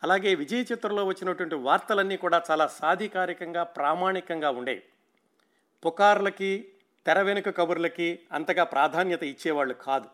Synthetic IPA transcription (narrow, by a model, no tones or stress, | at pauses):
ɐlaːɡe̞ːʋid͡ʒɐjɐt͡ʃit̪ɾɐlo̞ːʋɐt͡ʃːinɐʈuʋɐɳʈiʋaːɾt̪ɐlɐnːiːkuːɽaːt͡ʃaːlaːsaːd̪ʱikaːɾikɐŋɡaːpɾaːmaːɳikɐŋɡaːuɳɖḛːji | pukaːɾulɐki | t̪ɛɾɐʋenukɐkɐbɐɾulɐkiɐnt̪ɐɡaːpɾʔaːd̪ʱaːnjɐt̪ɐit͡ʃːɛːʋaːɭːukʰaːd̪u